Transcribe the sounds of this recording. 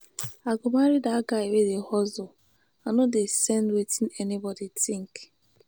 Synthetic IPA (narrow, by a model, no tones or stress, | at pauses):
aɡʊmaɾidaɡaewedehɔzo | anodesɛndwetĩnɛnibɔditɪ̃ŋk